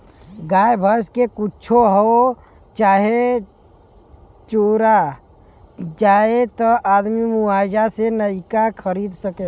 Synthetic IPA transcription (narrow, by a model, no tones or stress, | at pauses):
ɡaːjbʱəskekʊt͡ʃʰoɦo | t͡ʃaːɦe | t͡ʃoːɾa | d͡ʒaːet̪ɔʔaːd̪mimuaːjd͡ʒasenəɪkakʰəɾiːd̪səke